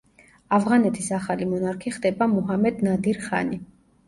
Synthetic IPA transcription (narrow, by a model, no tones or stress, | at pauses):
avʁanɛt̪ʰisaχalimɔnaɾkʰiχd̪ɛbamuɦamɛd̪nad̪iɾχa̰ni